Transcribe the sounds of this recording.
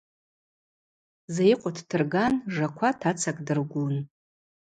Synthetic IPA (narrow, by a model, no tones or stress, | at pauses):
zajɪqʷʼatʰtʰɨrɡanʐakʷʰatʰat͡sʰakʼdɨrɡʷun